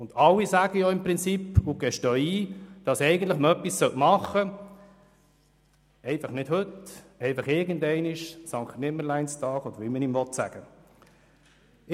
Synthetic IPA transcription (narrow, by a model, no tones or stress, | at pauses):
ʊnd̥ɑlːisæɡ̥əjɔɪmpʁɪnt͡sipːʊɡ̥ɛʃtœːiːd̥ɑsɛɪɡən̩tlɪχməœpːisːœlʔmɑχə | ɛɪfɑχnɪthɵtɛɪfɑχɪɾɡəndɛɪnɪʃsɑŋktnɪməlæɪnstɑːɡɔdəɾʋimənimvɔtsæ̰ɡ̥ə